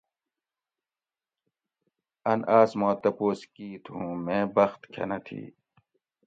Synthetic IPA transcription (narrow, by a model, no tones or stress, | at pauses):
ɐnaːsmõːt̪ɐpoːskiːt̪ɦũːmẽːbɐxt̪kʰɐ̰nɐt̪ʰḭː